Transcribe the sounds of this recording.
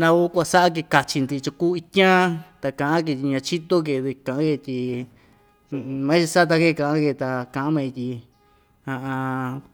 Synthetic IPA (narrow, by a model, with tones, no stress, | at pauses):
nã˧u˦kʷa˧sa˦ʔa˦k̬e˧ka˧t͡ʃi˧nd̪i˧t͡ʃu˧kuː˦i˧t̪ʲã˦t̪a˧kã˧˨ʔã˦k̬e˧t̪i˧ɲã˧t͡ʃi˦t̪o˦k̬e˧˨βe˧kã˨ʔã˦ke˧t̪i˧ | mã˦t͡ʃi˧sa˦˧t̪̬a˧ke˦˧˨kã˧˨ʔã˦ke˧˨t̪a˧kã˧ʔã˦mẽ˧t̪i˧ | ã˧ʔã˧